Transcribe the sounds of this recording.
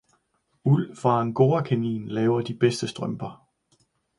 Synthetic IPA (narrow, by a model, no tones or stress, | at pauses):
ul̰fɑ̈nɡ̥o̝ːɐkʰenḭːnlɛːʊɐd̥ib̥esd̥əsd̥ʁœmb̥ɐ